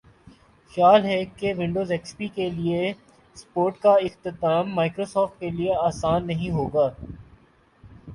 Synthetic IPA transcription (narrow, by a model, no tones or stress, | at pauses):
xjaːlɦɛkeʋɪ̃ɳɖoːzɛːkspikelie | spoːɾʈkaɪxqt̪ɪt̪aːmːaːɪkɾoːsɔːfʈ̚kelieaːsaːnːɐɦĩɦoːɡaː